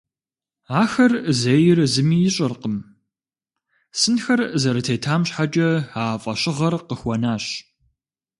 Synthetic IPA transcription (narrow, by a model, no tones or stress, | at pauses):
aːxɐrzɐjɪrzɨmiːjɪɕʼɐrqəm | sɨnxɐrzɐɾɨtʰeːtʰaːmɕħad͡ʒʼɐaːfʼɐɕʼɪʁɐrqəxʷɔnaːɕ